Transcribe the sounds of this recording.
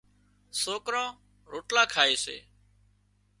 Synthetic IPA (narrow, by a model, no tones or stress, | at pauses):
soːkɾãː | ɾoːʈlãːkʰaːeːsḛː